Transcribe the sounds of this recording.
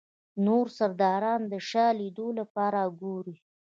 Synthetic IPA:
noɾsaɾd̪ɑɾɑnd̪əʃɑlid̪olapɑɾaɡoɾi

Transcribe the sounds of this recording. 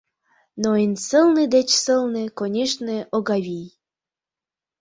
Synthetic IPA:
noinʲsəlˠnɨd̪et͡ɕsəlˠnɨkonʲeʃneʔoɣɑβʲij

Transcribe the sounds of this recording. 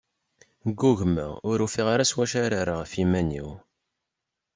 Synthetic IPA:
ɡuʝmæ̰ʊɾufiʁaɾaswæʃaɾaɾəʁfimæniw

